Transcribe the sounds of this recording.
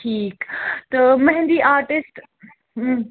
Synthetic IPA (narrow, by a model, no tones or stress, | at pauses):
ʈʰiːkt̪ɐmɐɦnd̪iʔaːɾʈɪsʈː